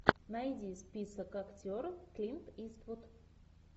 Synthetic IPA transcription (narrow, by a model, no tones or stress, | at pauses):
nɐjdʲispʲisəkɐktʲoɾfklʲimt̪ist̪vʊt̪